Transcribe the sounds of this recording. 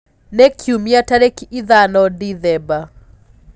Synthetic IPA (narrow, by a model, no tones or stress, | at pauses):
nɛkʰiumiataɾɛkiʔiðanɔdiðɛba